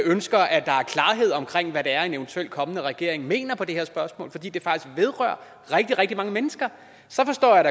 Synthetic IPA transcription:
ønsɡ̥ɐʔæd̥ɑ̈æɐkʰlɑ̈ːɦe̝ð̰ˠɒ̽mkʰʁeŋ̰ʋæɾeæɐe̝neʋnt͡sʰuel̰kʰɒ̽mənəʁɛɡ̥e̝ɐ̰eŋme̝̰ːnɐpʰɒ̽d̥e̝heɐ̰sb̥ɶɐsmɔ̰̽ːlfɒ̽d̥ḭːd̥efɑ̈ɡ̥isɡ̥ʋe̝ð̞ˠʁœɐ̰ | ʁɛɡ̥̚d̥iʁɛɡ̥d̥imɑ̈ŋəmenəsɡ̥ɐ | sɒ̽fɒ̽sd̥ɒ̰ːjɑɾ̥ɑ

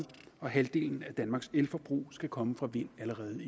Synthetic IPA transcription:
ɒ̽ɦæld̥e̝̰ːln̩æd̥ænmɑ̈ːɡ̥selfɒb̥ʁṵːsɡ̥ækʰɒ̽məfʁɑ̈ʋe̝n̰æləʁɛːð̞̩ˠi

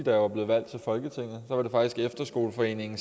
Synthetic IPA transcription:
id̥æɑ̈b̥le̝ːð̩ˠʋæl̰d̥t͡sʰe̝lfɒ̽lɡ̥ət͡sʰeŋ̰ð̩ˠsɒʋɑ̈d̥e̝fɑ̈ɡ̥d̥isɡ̥efd̥ɐsɡ̥o̝̰ːlfɒ̽e̝̰ːne̝ŋn̩

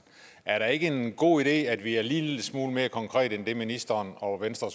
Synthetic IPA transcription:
ʔæɐɾɑ̈e̝ɡ̥əe̝nɡ̥o̝̰ːiɾ̥e̝̰ːæd̥ʋiæɐliːsmuːlme̝ːɐkʰɒ̽ŋkʰʁɛ̰ːd̥end̥e̝minisd̥ɐːnɒ̽ʋensd̥ʁɐs

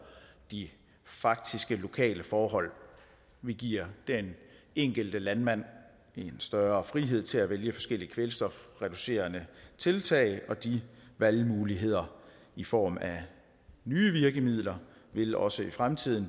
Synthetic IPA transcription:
d̥i | fɑ̈ɡ̥̚d̥isɡ̥əlo̝kʰɛ̰ːləfɒːɦɒ̽l̰ | ʋiɡ̥iɐ̰d̥eneŋ̰ɡ̥əld̥əlænmæn̰ | e̝nsd̥ɶɐɐːfʁiɦe̝ð̞̰ˠt͡sʰe̝læʋeljəfɒ̽sɡ̥el̰iəkʰʋelsd̥ɒfʁɛd̥use̝̰ːɐnət͡sʰe̝lt͡sʰɛ̰ɪʔɒ̽d̥iʋælmuːliɦe̝ð̞̰ˠɐ | ifɒ̰ːmæ | nyːʋiɐɡ̥əmið̰ˠlɐ | ʋe̝lɒ̽səifʁamt͡sʰið̞̰ˠn̩

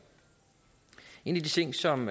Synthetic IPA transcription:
e̝nid̥it͡sʰe̝ŋ̰sɒ̽m

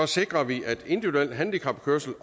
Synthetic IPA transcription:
ɒ̽se̝ɡ̥ʁɐʋiʔæd̥e̝nd̥iʋiduel̰d̥ɦænd̥ikʰɑ̈b̥̚kʰøɐsl̩

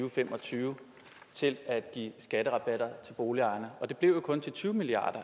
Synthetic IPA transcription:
ʊfem̰ɒ̽t͡sʰyːʊ | t͡sʰe̝læd̥ɡ̥ḭːsɡ̥æɾ̥əʁɑ̈b̥æɾ̥ɐt͡sʰe̝lb̥o̝ːliɑ̈ɪnɐɒ̽d̥e̝b̥le̝ʊ̰jo̝kʰɔ̽nt͡sʰe̝lt͡sʰyːʊmiliɑ̰̈ːd̥ɐ

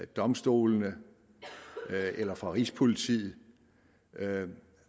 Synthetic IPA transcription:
d̥ɒ̽msd̥o̝̰ːlnə | elɐfʁɑ̈ʁispʰo̝lit͡sʰḭːð̩ˠ

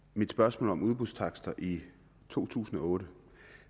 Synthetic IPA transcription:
mid̥sb̥ɶɐsmɔ̰ːlɒ̽muð̞ˠb̥ust͡sʰɑ̈ɡ̥sd̥ɐʔi | t͡sʰo̝̰ːt͡sʰṵːsn̩ɒ̽ɔ̽ːɾə

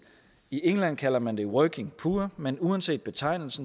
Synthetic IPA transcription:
iʔeŋlæn̰kʰæl̰ɐmænd̥e̝wœːkʰe̝ŋpʰuːɐmenuænse̝̰ːd̥̚b̥e̝t͡sʰɑ̈ɪ̰nl̩sn̩

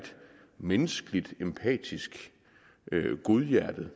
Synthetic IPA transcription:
d̥ | menəsɡ̥əlid̥empʰɛ̰ːd̥isɡ̥ | ɡ̥o̝ðˠjæɐ̰d̥ð̩ˠ

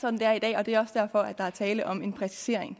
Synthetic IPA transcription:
sɒ̥̽n̩d̥e̝æɐid̥ɛ̰ːɒ̽d̥e̝æɐɒsd̥æɐ̰fɒ̽æd̥ɑ̈æɐt͡sʰɛːləʔɒ̽me̝npʰʁɛsi̥se̝ɐ̰e̝ŋ

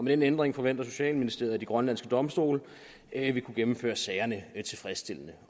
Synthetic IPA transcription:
ɒmed̥enend̥ʁeŋfɒ̽ʋen̰d̥ɐso̝ɕɛ̰ːlminisd̥e̝ɐðˠd̥iɡ̥ʁɶnlæn̰sɡ̥əd̥ɒ̽msd̥o̝̰ːl | ʋikʰuɡ̥emm̩fø̰ːɐsɛɪɐnət͡sʰe̝lfʁɛsd̥e̝l̰ənə

